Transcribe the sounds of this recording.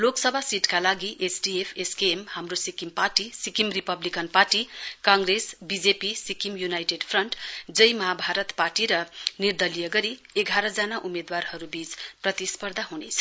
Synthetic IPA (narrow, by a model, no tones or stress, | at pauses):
loksʌbʱasiʈkalaɡiʔesɖiepʰeskeemhamrosikimparʈisikimripʌblikʌnparʈikãŋɡresbid͡zepisikimjunajʈeɖpʰrʌɳʈd͡zʌjmʌɦabʱaɾʌt̪parʈiɾʌnird̪ʌlijʌɡʌɾi | eɡʱaɾʌd͡zanaʔumed̪warhʌɾubit͡sprʌt̪ispʌrd̪ʱaɦunet͡sʰʌ̥